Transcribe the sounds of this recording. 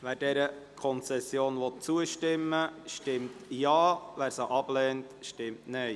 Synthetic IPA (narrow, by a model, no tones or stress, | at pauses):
væːɾdɛɾəkʰɔnt͡sɛsːjoːnʋɔt̚t͡suəʃtɪmːəʃtɪmtjɑːvæːɾsəʔɑb̥lɛːntʃtɪmtnɛj